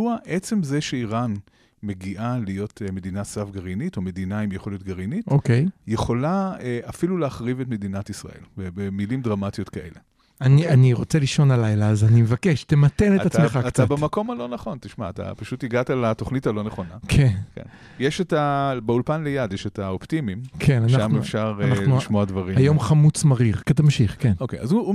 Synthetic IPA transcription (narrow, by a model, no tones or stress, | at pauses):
uaʔet͡se̞mzeʃeiʁan | me̞ɡiʔalijo̞tʰme̞dinasavɡaʁinito̞me̞dinaimjeχoljot̪̚ɡaʁinitokejje̞χo̞laeʔafiluleaχʁive̞tme̞dinatisʁa̰ʔe̞̰lbebemilimdʁamatijo̞tkaʔe̞̰le̞ | anianiʁo̞t͡seliʃo̞nalajlaːzanimevake̞ʃtemate̞neatt͡smeχatt͡sabamako̞malo̞naχo̞ntiʃmaːt̪a̰paʃutiɡatalato̞χnitalo̞neχo̞nakʰenkḛn | jeʃetabeulpanlejadjeʃetaoptimimkʰe̞nanaamnuefʃaʁannχnuiʃmoadvaʁiajo̞mχamut͡smaʁiʁketamʃiχke̞nokejazu